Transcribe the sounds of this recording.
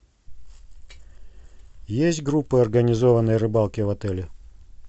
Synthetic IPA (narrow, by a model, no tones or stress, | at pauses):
jesʲtʲɡɾupːɨɐrɡənʲɪzovənːəjrɨbalˠkʲɪvɐt̪ɛlʲɪ